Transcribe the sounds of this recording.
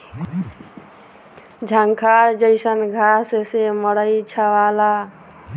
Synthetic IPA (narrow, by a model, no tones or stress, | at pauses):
d͡ʒʱəŋkʰaɾd͡ʒəɪsənɡʱasseməɽəjt͡ʃʰəʋala